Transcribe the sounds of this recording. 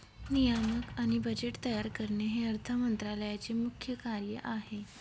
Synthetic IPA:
nijaməkaɽ̃ibəd͡ʑeʈt̪əjaɾkəɾɳeɦeəɾt̪ʰəmənt̪ɾaləjat͡semukʰjəkaɾjəʔaɦe

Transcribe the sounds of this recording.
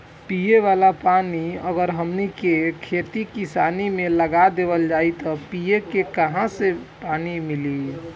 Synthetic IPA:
pieʋalapaniəɡəɾɦəmnikekʰet̪ikisanimeləɡad̪ebəld͡ʒajt̪ɔpijekekəɦãsepanimili

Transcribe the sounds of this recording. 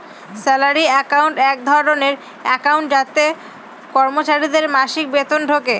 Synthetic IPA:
sɛlaɾiɛkawɳʈɛk̚d̪ʱɔɾoneɾ | ɛkawɳʈ̚d͡ʑat̪ːe | kɔɾmot͡ɕaɾid̪eɾmaʃik̚bet̪onɖʱoke

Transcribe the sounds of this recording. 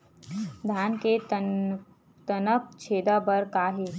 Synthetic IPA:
d̪ʱjaːnke | t̪ənək̚t͡ʃʰeːd̪abəɾkaːɦe

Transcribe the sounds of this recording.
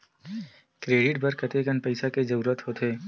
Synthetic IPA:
kɾeːɖɪʈ̚bɐɾkət̪ekənpɐɪsaked͡ʒɐɾuːɾət̪ɦoːt̪ʰeː

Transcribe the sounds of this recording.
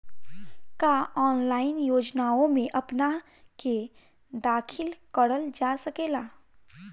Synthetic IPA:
kaɔːnlaːɪnjoːd͡ʒnaõmẽʔɐpna | ke | d̪aːkʰɪlkəɽəld͡ʒasɐkeːlaː

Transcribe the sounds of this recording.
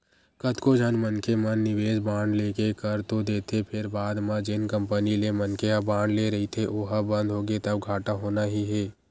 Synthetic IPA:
kət̪kod͡ʒʱɐnmənkemɐnːɪʋeːd͡ʒbãːɳɖleːkekəɾt̪od̪eːt̪ʰepʰɪɾbaːd̪mãd͡ʒɪnkə̃mpənilemənkeəbãːɳɖleɾɐɦit̪ʰeʔoɦəbɐ̃nd̪ʱɦoːɡet̪ɐb̚ɡʱaːʈaɦoːnaɦiɦɛː

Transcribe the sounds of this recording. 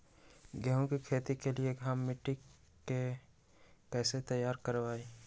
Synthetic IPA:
ɡəɦõkikʰeːt̪ikelieɡʱaːmːiʈi | ke | kɛːset̪əjaːɾkəɾʋaːi

